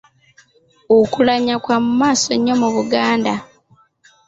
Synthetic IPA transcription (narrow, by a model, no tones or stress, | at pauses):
okulaɲakwamumaːso̞ɲːo̞muβuɡaːnda